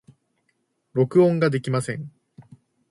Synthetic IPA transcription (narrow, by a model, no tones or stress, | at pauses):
ɾo̞kɯ̟õŋɡad̪e̞kʲimasẽ̞ŋ